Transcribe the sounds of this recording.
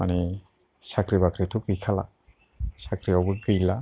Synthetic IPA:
manɛ | sakɾibakɾitʰukbikʰala̰ | sakɾiawbɯɡɯjla

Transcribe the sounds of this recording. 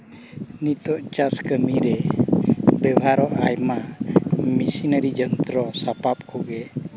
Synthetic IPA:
nit̪ɔʔt͡ʃaskəmiɾɛ | bɛwɦaɾɔʔajma | misinəɾid͡ʒənt̪ɾɔsapap̚kʰuɡɛ

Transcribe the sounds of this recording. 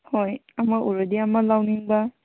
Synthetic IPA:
hojamaʔuɾadiamalawniŋba

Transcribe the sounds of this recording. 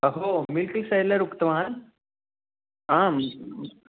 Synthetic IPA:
əɦomɪlklsejləɾukt̪əʋaːn | ɦã

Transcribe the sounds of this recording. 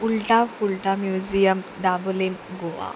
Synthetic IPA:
ulʈafulʈamjud͡ʑijəmd̪ablinɡoʋa̰

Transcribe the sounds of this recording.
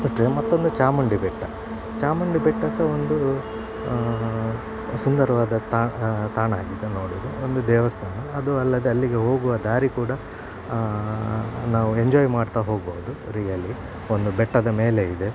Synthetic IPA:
bɐʈɾemɐt̪ːo̞nd̪ut͡ʃaːmɐɳɖibɛʈːɐ | t͡ʃaːmɐɳɖibɛʈːɐsɐond̪u | sund̪ɐɾɐʋaːd̪ɐt̪aːt̪aːɳaːɡid̪eno̞ːɽuɾuond̪ud̪ɛːʋɐst̪ʰaːnɐːd̪uɐlːɐd̪eɐlːiɡe̞ɦo̞ːɡuʋɐd̪aːɾikuːɽɐ | naːʋueɲd͡ʒoːjmaːɖt̪aɦo̞ːɡboːd̪uɾijɐli | ond̪ubɛʈːɐd̪ɐme̞ːleid̪e̞

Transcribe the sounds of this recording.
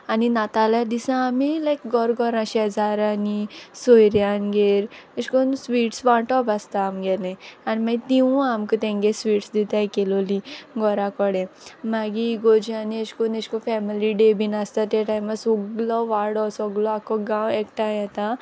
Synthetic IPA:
aninat̪alad̪isãːmilajkɡɔɾɡɔɾãʃɛzaɾanisojɾjanɡeɾeʃkonsʋiːʈsʋaʈɔpast̪aːmɡɛlẽaniməjt̪iũamkot̪ẽŋɡesʋiːʈsd̪it̪ajkeloliɡɔɾãkɔɽẽmaɡiɡod͡ʒianieskoneʃkofɛmiliɖebinast̪at̪eʈajməsuɡlɔʋaɾɽɔsɔɡlɔakɔɡãwekʈajɛt̪a

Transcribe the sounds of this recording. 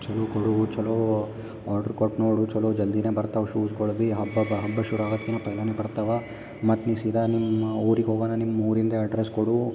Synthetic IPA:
t͡ʃɐloːkoɽuut͡ʃɐloː | aːɾɖɐɾkoʈnoːɽut͡ʃɐloːd͡ʒɐld̪ineːbɐɾt̪aʋɐʃuːsɡoɭbiɦɐbːɐɦɐbːɐʃuɾuaːɡod̪kːinɐpɐjlɐnebɐɾt̪aʋɐ | mɐt̪nisid̪ɐnimɐoːɾiɡeoːɡaːnɐnimɐuːɾind̪ɐɐɖɾeskoɽu

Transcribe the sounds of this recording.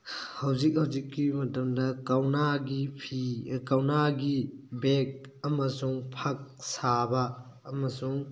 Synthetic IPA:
hɐwzik̚hɐwzikːimɐtɐmdɐkawnaɡipʰikawnaɡibek̚ | ɐmɐsuŋpʰɐk̚sabɐː | mɐsuŋ

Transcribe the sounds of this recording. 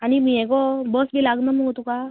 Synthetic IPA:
aɽ̃imiːɛkɔbəsbilaɡnəməɡʱot̪uka

